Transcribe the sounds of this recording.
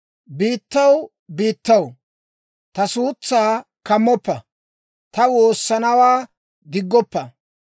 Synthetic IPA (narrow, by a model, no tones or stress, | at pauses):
biːt̪ːɐw | biːt̪ːɐw | t̪ɐsuːt͡sːaːkɐmːɔpːɐ | t̪ɐwo̞ːsːɐnɐwaː | ɡɪɡːɔpːɐ